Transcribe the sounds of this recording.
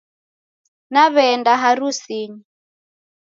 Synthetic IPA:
naβɛndaɦaɾusiːɲi

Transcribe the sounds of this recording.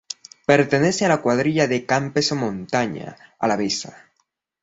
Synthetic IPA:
pe̞ɾt̪eneθealakwaðɾiʎaðekampesomõnt̪aɲa̰a̰laβesa̰

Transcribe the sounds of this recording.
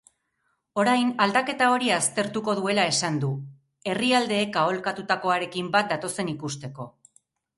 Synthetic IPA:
o̞ɾajnald̪ake̞t̪ao̞ɾiast̪e̞ɾt̪uko̞ðue̞lae̞sand̪u | e̞riald̪e̞ːkao̞lkat̪ut̪ako̞aɾe̞kimbat̪̚d̪at̪o̞se̞nikust̪e̞ko̞

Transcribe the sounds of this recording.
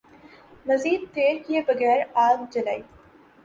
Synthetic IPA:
mɐziːd̪̚t̪eːɾkɪjɐbɐɡɛːɾaːɡd͡ʒɪlɐɪ

